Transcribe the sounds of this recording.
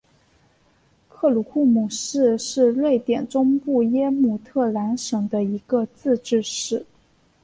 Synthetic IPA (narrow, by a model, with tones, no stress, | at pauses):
kʰɤ˥˩lu˧˥kʰu˥˩mu˨˩ʂɻ̩˥˧ʂɻ̩˥˧lwe˥˩ɪt̪jɛ˨˩nʈ͡ʂʊ˥ŋpu˥˩jɛ˥mu˨˩t̪ʰɤ˥˩la˧˥nʂɤ˧˥ŋd̪ə˧i˧˥ɡə˧t͡sɹ̩˥˧ʈ͡ʂɻ̩˥˧ʂɻ̩˥˩